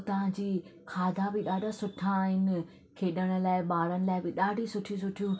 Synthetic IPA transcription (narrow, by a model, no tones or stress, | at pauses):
t̪ɐʋ̤ãd͡ʑiːkʰaːd̪ʱabɪɗaːɖasʊʈʰaːɦɪnɪ̆ | kʰeːɗəɽ̃ʊ̆laːɪɓaːɾəɽ̃ɪ̆laːɪbɪɗaːɖʱisʊʈʰjũs̬ʊʈʰijũ